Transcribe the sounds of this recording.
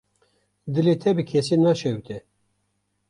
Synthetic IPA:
d̪ɨlet̪ʰɛbɨkʲʰesinɑʃɛwt̪ɛ

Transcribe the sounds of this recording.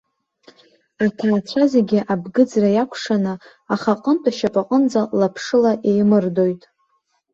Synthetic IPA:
atʰaːt͡ɕʷʰazeɡʲɪʔabɡɨd͡zrajakʷʰʂanɨ | aχaqʼəntʼaʃapʼaqʼənd͡zalapʰʂɨlaʔe̞jmɨrdo̞jtʼ

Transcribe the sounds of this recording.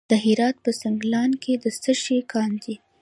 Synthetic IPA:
d̪̥əɦɪɾɑt̪̚pəsaŋɡlɑnkʰed̪əsəʃekʰɑnd̪i

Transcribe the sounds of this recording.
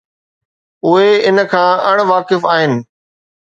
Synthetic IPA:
ʊɦeɪnə̆kʰãːɐɽ̃ʋaːkɪfaːɦɪnɪ̆

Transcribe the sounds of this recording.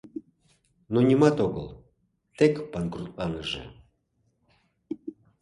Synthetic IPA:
nonʲimɑt̪oɣə̰l | t̪ekpɑnkrut̪lɑnəʒḛ

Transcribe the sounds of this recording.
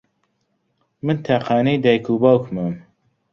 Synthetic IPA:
mɨnt̪ʰæqʰɑːniːd̪ɛjkʰubɑwkməm

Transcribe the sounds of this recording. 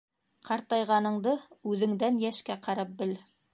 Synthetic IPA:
qʰɑɾt̪ɑjʁɑnɤ̆ɴd̪ɤʉðɘ̆ŋd̪ænjæʃkæqɑɾɑp̚bɘ̆l

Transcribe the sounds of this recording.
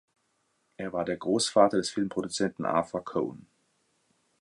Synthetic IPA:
ʔeːɐvaːɐdeːɐɡ̥ʁoːsfaːtʰɐdɛsfɪlmpʰʁ̥odut͡sɛntn̩ʔa̰fakʰoʊn

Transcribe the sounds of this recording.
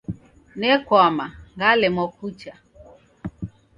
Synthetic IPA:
nɛkwamaŋɡalɛmɔkut͡ʃa

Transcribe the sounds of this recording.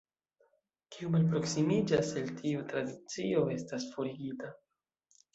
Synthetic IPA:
kiumalpɾo̞ksimid͡ʒase̞ltʰiutɾadit͡sio̞e̞stasfo̞ɾiɡita

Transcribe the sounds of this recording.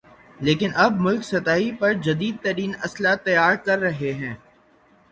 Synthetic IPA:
leːkɪnʔɐb̚mʊlksɐt̪aːɦipɐɾd͡ʒɐd̪iːd̪̚t̪ɐɾiːnɐslat̪ɐjaːɾkɐɾːɐɦeɦɛ̃ː

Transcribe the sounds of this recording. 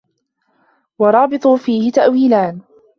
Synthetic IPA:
wɑɾˤɑːbɨt̪ˤuːfiːhɪt̪aʔwiːlaːn

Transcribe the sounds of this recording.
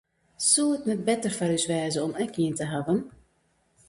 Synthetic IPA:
suəətnɛt̚bɛtərfaɾysʋɛːzəɔmɛkiəntəɦavən

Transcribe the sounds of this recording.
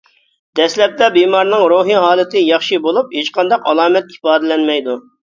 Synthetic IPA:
d̪̥ɛslɛp̚t̪ɛbimɑɾnɨŋɾuɦiɦɑːlˠɨt̪ʰɪjɑχʃibolˠup̚het͡ʃqʰɑnd̪ɑqɑlˠɑːmɛt̪̚ifɑːd̪ɨlɛnmɛjd̪u

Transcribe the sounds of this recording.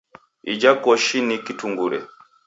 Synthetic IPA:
ḭd͡ʒakɔʃinikituŋɡuɾɛ̰

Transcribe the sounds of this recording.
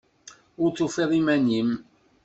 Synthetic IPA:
ʊɾt͡sːufeðˤimænim

